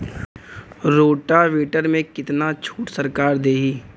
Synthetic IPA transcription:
ɾoːʈaʋiːʈəɾmẽkɪt̪nat͡ʃʰuːʈsəɾkaːɾd̪eːɦiː

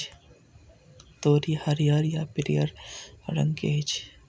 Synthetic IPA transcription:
t̪oːɾihɐɾjaɾjapɪɾḭjə̰ɾɾə̰ŋkeːd͡ʒ

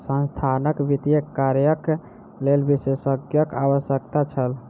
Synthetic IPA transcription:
sə̃nst̪ʰanəkʋit̪ijəaɾjək | lelbisesəɡjəkaʋəsjəkt̪at͡ʃʰəl

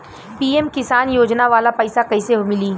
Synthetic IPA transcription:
piːemkɪsaːnjoːd͡ʒnaʋaːlapɐɪsakɐɪseɦomɪliː

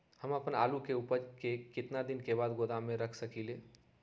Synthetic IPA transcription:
həməpəna̰ːlukeupəɾkekɪt̪nad̪ɪnkebaːd̪ɡoːd̪amẽɾəkʰsəkileː

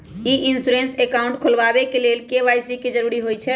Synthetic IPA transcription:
iʔinsuɾensekaʊ̃ɳʈkʰolʋabekelelkeʋajsiked͡ʒəɾuɾiɦojt͡ʃʰɛ

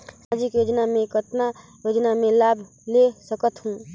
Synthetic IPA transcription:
sad͡ʒikjoːd͡ʒnamẽkət̪na | jod͡ʒnamẽlabʱ | lesəkət̪ɦũ

